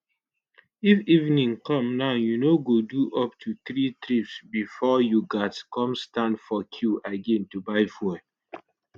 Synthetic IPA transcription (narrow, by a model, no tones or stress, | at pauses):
ifivnĩŋkɔ̃mnaʊjunoɡoduʔɔp̚tʰuθɹitɾipsbifɔjuɡatkɔ̃mstãndfɔkʰjuʔaɡẽntubaɪfuɛ